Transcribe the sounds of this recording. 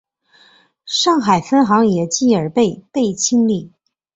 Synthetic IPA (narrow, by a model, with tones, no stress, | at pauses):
ʂɑ˥˩ŋxa˨˩ɪfə˥nxɑ˧˥ŋjɛ˨˩t͡ɕi˥˩ə˞˨˩pe˥˧ɪpe˥˩ɪt͡ɕʰi˥ŋli˥˩